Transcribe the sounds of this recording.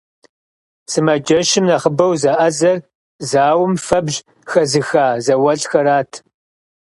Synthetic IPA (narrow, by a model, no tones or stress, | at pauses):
sɨmɐd͡ʒɐʃɪmnɐχəbɐwzɐʔɐzɐr | zaːwʊmfɐbʑ | xɐzɨxaːzɐwɐɬxɐɾaːtʰ